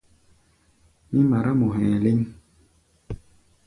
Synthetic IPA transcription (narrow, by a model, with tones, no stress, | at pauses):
mi˦ma˨ɾa˦mo˨ɦɛ̃˨li˦ŋ